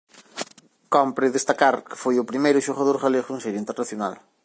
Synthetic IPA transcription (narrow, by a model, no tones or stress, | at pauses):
kɔmpɾɪðest̪akaɾkɪ̥fojʊpɾimejɾʊʃoɣaðoɾɣaleɣũnsɛɾjint̪eɾnaθjona̰l